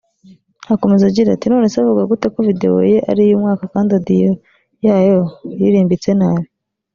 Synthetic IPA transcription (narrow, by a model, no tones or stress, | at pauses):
hako̞mezaɟiɾa̰tino̞ːne̞savuɡaɡutekovide̞̰wo̰je̞ʔa̰ɾijumŋaːkakaːndiadijo | jaːjojiɾiːmbit͡se̞naːjo